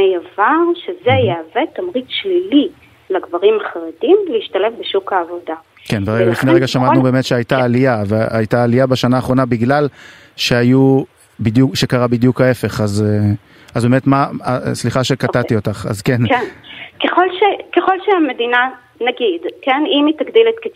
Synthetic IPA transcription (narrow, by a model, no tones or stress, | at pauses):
ejavaʁʃezejeavet̪amʁit͡sʃlili | laɡvaʁimaχaʁedimleiʃtale̞fbeʃukaːvo̞da | kenveʁeɡalifneʁeɡaʃamatnube̞ːmetʃeajtaːlijaveajtaːlijabaʃanaːχʁo̞nabiɡlal | ʃe̞aju | bidjukʃekaʁabidjukhae̞fe̞χaz | azbemetmaasliχaʃekatatio̞taχa̰zkenknkeχolʃekeχo̞lʃeame̞d̪ina | naɡidkenimitaɡdilet̪ke